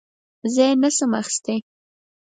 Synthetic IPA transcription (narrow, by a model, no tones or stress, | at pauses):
zɑjnasəmaxi̥st̪e